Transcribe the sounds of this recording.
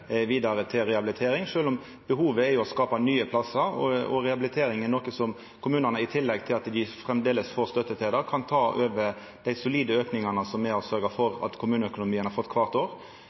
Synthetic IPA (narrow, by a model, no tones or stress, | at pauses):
ʋiːd̪ɑɾət̪ʰɪlɾɛɑbɪlɪt̪ʰeːɾɪŋʂøːlɔm | b̥əɦuːʋəɛjʊɔskɑːpɑnyːəpʰlɑsəɾɔɔ̰ɾɛɑblɪt̪ʰeːɾɪŋɪnɔːkəsɔm | kʰʊmʉːnənəɪt̪ʰɪlːɛɡt̪ʰɪlɑt̪d̪ɪfʁɛmd̪eːləsfoːɾst̪œt̪ːət̪ʰeːd̪əʁkʰɑnt̪ʰɑːʔøːʋə | d̪̥æɪsʊliːd̪əøːknɪŋɑnəsɔmːɛɔsœɾɡəfɔɾɑ̰t̪kʰʊmʉːnəœkʊnʊmiːənhɑʁfɔt̪ːkʰʋɑːʁt̪oːʁ